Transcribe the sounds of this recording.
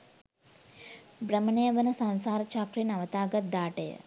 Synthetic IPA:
bɾəmənejəʋənɐsɐnsaːɾɐt͡ʃakɾinɐʋɐt̪aːɡɐt̪̚d̪aːʈejə̰

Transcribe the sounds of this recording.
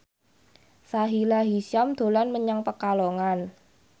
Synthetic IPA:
saɦilaɦisjamd̪̥o̤lanməɲaŋpəkaloŋan

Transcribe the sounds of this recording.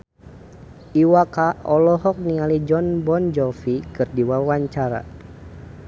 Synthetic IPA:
iwakaɔlɔɦɔk̚nialid͡ʒɔnbɔnd͡ʒɔfikɨrdiwawaɲt͡ʃaɾa̰

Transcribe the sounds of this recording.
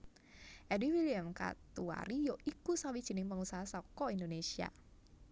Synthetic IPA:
ʔɛdiwiliamka̰t̪ua̰ɾijɔʔikusawid̥ʒ̥i̤nɪŋpəŋusaɦasɔkɔindonesia̰

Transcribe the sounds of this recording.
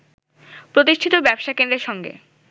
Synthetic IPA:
pɾot̪iʃʈʰit̪obɛbʃakend̪ɾeɾʃɔŋɡḛ

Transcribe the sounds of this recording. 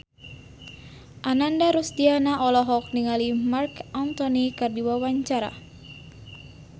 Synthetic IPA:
ʔanandaɾusdianaʔɔlɔɦɔk̚niŋalimarkant̪ɔnikɨrdiwawaɲt͡ʃaɾa̰

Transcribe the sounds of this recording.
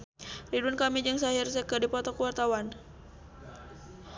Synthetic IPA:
riduankamid͡ʒɨŋsaɦirsəkədipɔt̪ɔkuwart̪awan

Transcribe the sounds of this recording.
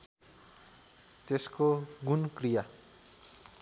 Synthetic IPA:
t̪eskoɡunkrija

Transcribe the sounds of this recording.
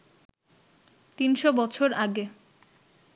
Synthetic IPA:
t̪inʃobɔt͡ɕʰoɾaɡe

